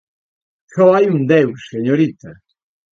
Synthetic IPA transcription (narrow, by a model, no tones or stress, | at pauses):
ʃɔajund̪ewseɲoɾit̪a